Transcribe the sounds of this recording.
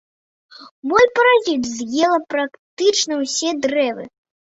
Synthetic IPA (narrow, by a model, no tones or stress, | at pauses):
mɔlʲpɐɾazʲid͡zʲzʲjɛlˠɐpɾakt̪ɨt͡ʂnɐwsʲɛd̪ɾɛvɨ̰